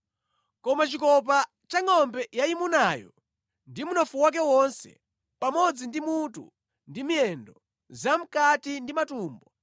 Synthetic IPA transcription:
kɔmat͡ʃikɔp̬a | t͡ʃaŋɔmbɛjaimunaːjɔ̰ | ndimunɔfuwak̬ɛwɔnsɛ̰ | pamɔd͡zindimutṵ | ndimijɛndɔ | zam̩katindimatuːmbɔ

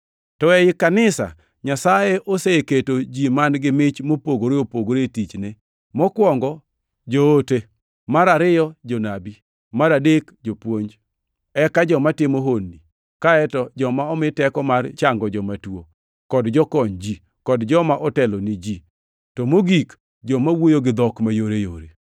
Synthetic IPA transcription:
tɔɛjɪkanɪsa̰ | ɲasajeʔoseketod͡ʒimanɡɪmɪt͡ʃmopoɡoɾeopoɡoɾetit͡ʃne | mɔkwɔŋɡɔ | d͡ʒoote | maɾaɾɪjɔd͡ʒonabi | maɾadekd͡ʒopwoɲd͡ʒ | ɛkad͡ʒɔmatɪmoɦonːi | kaɛtɔd͡ʒɔmaɔmɪtɛkɔmart͡ʃaŋɡɔd͡ʒɔmatwo | kɔdd͡ʒɔkɔɲd͡ʒi | kɔdd͡ʒɔmaʔɔtɛlonid͡ʒi | tɔmoɡik | d͡ʒɔmawojoɡɪd̪ɔkmajoɾejoɾe

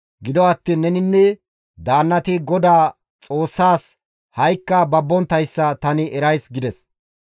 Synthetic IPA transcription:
ɡɪd̪ɔɐt̪ːiːnːɛnɪnːɛ | d̪aːnːɐt̪ɪɡɔd̪aː | t͡sʼoːsːaːs | hɐjkːɐbɐbːɔnt̪ɐjsːɐt̪ɐnɪʔɛɾɐjsɡɪd̪ɛs

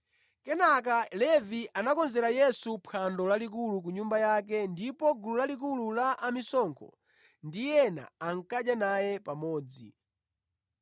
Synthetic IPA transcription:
kɛnak̬alɛvianakɔnzɛɾajɛsupʰandɔlalik̬uluk̬uɲumbajak̬ɛndipɔɡululalik̬ululaʔamisɔŋkʰɔ̰ | ndijɛna̰aŋ̩kaʄjanajɛpamɔːd͡zḭ

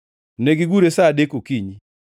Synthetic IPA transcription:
neɡiɡuɾesadekokiɲi

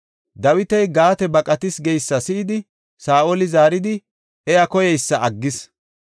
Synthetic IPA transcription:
d̪ɐwɪt̪ɐjɡaːt̪ɛbɐkʼɐt̪ɪsɡɛjsːɐsɪɪd̪ɪ | saːʔolɪzaːɾɪd̪ɪ | ʔɛjɐkɔjɛjsːɐʔɐɡːɪs

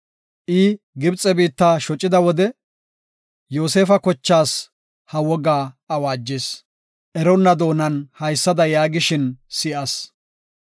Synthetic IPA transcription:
ʔɪ | ɡɪbt͡sʼːɛbiːt̪ːaːʃɔt͡ʃʼːɪd̪ɐwɔd̪ɛ | joːse̞ːfɐkɔt͡ʃːaːs | hɐwɔɡaːɐwaːd͡ʒːes | ʔɛɾɔnːɐd̪o̞ːnɐnhɐjsːɐd̪ɐjaːɡɪʃɪnsɪʔɐs

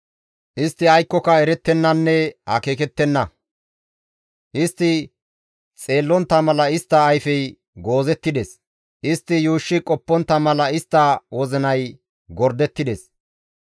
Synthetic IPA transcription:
ʔɪst̪ːɪɐjkːɔkɐɛɾɛt̪ːɛnːɐnːɛhɐ̰ke̞ːkɛt̪ːɛnːɐ | ʔɪst̪ːɪ | t͡sʼe̞ːlːɔnt̪ːɐmɐlɐɪst̪ːɐːjfɛj | ɡoːzɛt̪ːɪd̪ɛs | ʔɪst̪ːɪjuːʃːɪkʼɔpːɔnt̪ːɐmɐlɐɪst̪ːɐwɔzɪnɐj | ɡɔɾd̪ɛt̪ːɪd̪ɛs

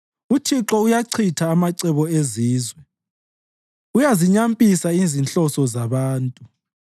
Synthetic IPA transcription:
utʰiǁɔujaǀʰitʰaːmaǀɛβɔeziːzwɛ | ujaziɲampʼisaizinɬɔsɔzaβaːntʼu

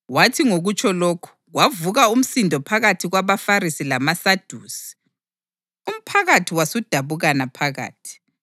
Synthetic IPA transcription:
watʰiŋoɣut͡ʃʰʼɔloːkʰu̥ɣwavuɣaum̩sindʱɔpʰaɣatʰiɣwaβafarisilamasad̥ʱuːsi̥ | um̩pʰaɣatʰiwasud̥ʱaβuɣanapʰaɣa̰ːtʰi̥

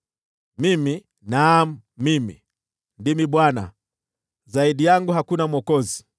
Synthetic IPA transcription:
mimi | nam̩mimḭ | ndimiɓwana̰ | zaiɗijaŋɡuɦakunamwɔkɔzi

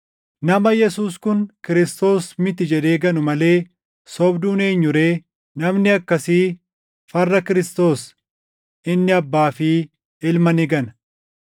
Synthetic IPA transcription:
nɐmɐjɛsuːskʊnkɪɾɪst̪o̞ːsmɪt̪ɪd͡ʒɛd̪e̞ːɡɐnʊmɐle̞ː | sɔbd̪uːne̞ːɲːʊɾe̞ː | nɐmnɪɐkːɐsiː | fɐrːɐkɪɾɪst̪o̞ːs | ɪnːɪɐbːaːfɪ | ɪlmɐnɪɡɐnɐ

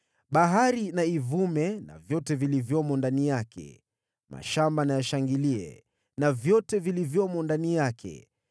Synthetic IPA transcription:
ɓaɦaɾinaivumɛna̰vjɔtɛvilivjɔmɔndanijakɛ̰ | mʔa̰ʃambanajaʃaŋɡiliɛ̰ | navjɔtɛvilivjɔmɔndanijakʰɛ̰

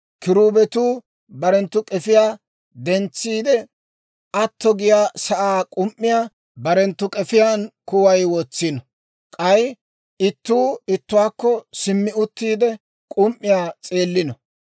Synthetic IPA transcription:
kɪɾuːbɛt̪uː | bɐɾɛnt̪ːʊkʼɛfɪjaː | d̪ɛnt͡sːiːd̪ɛ | ɐt̪ːɔɡɪjaːsɐʔaːkʼʊmʔːɪjaː | bɐɾɛnt̪ːʊkʼɛfɪjaːnkʊwɐjwɔt͡sːɪnɔ | kʼɐj | ɪt̪ːuːɪt̪ːʊwaːkːɔsɪmːɪʊt̪ːiːd̪ɛ | kʼʊmʔːɪjaːt͡sʼe̞ːlːɪnɔ

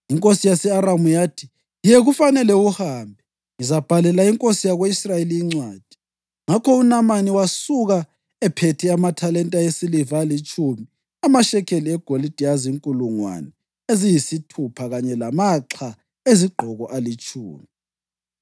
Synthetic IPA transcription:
iŋkʼosijasɛaɾamujatʰi̥ | ijeɣufanɛlɛuhaːmbʱɛ | izab̥ʱalɛlaiŋkʼosijaɣweisrajeliiŋ͡ǀwaːd̥ʱi̥ | ŋakʰɔunamaniwasuɣa | ɛpʰetʰɛamatʰalɛntʼaesilivalit͡ʃʼumi | amaʃɛkʰeliɛɡ̥ʱolid̥ʱijaziŋkʼuluŋwa̰nɛ | ezijisitʰupʰaɣaɲɛlamaǁʰa | eziɡ͡ǃʱɔɣɔʔalit͡ʃʼʰṵːmi

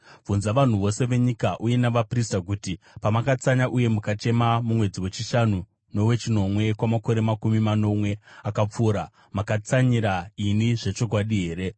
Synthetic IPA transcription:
vunzaʋan̤uʋo̞se̞ʋe̞ɲikaʔuje̞naʋapristak̬uti | pamakat͡saɲaʔuje̞mukat͡ʃe̞mamumwe̞d͡ziwe̞t͡ʃiʃanu | no̞we̞t͡ʃino̞mwe̞kwamako̞ɾe̞makumimano̞mwe̞akap͡fuːɾa | makat͡saɲiɾainiʐe̞t͡ʃo̞k̬waɗiɦe̞ːɾe̞

